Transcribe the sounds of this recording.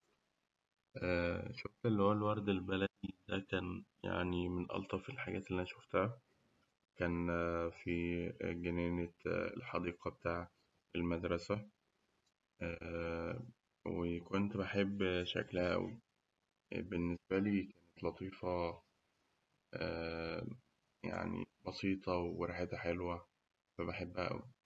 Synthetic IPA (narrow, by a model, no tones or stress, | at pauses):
ʔæːʃoft̪elːihowælwɑɾˤd̪elbælæd̪id̪ækæːnja̰ʕnimenʔɑ̰lt̪ˤɑfelħaɡæːt̪elːiʔænæʃoft̪hæ | kæːnfiɡænæːneḛlħɑd̪iːqɑbet̪aːʕa | elmæd̪ɾˤɑsæ | ʔæː | wekont̪beħebːʃæ̰klæhæʔæ̰wḭ | benːesbæliːkæːnet̪lɑt̪ˤiːfɑ | ʔæː | ja̰ʕnḭbɑsiːt̪ˤɑweɾˤɑħed̪æħelwæ | fæbeħebːʔæʔæ̰wḭ